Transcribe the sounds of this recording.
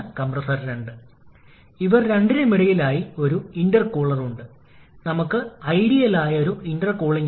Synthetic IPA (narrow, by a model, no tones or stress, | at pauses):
kɐmprɐsɐrɾeɳɖɨ | iʋɐrɾeɳɖinemiɽɐjilaːjio̞ɾuiɳɖɐrkoːɭɐruɳɖɨ | nɐmukːɨɐjɽijɐlaːjɐo̞ɾuʔiɳɖɐrkoːɭiŋː